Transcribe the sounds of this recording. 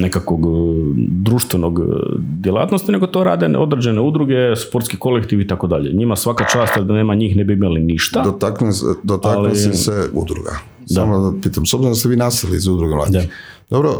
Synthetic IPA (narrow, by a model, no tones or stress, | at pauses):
nekakʋoɡ | d̪ɾuːʃt̪ʋenoɡd̪jelˠa̰t̪no̞st̪ine̞ɡo̞t̪o̞ɾa̰ːd̪en̰ʔo̞d̪ɾed͡ʑeneud̪ɾuɡe̞spo̞ɾt̪skiko̞lekt̪iʋit̪ako̞d̪aʎḛɲimasʋakat͡ʃaːst̪jd̪neːmaɲiːxnebiimaliniʃt̪ad̪t̪aknsd̪ot̪aklioiseṵd̪ɾṵɡa̰ | sd̪amd̪apiːt̪amsobziɾonast̪eʋiːnasilizud̪ɾuɡelˠa̰ːd̪a | d̪obɾo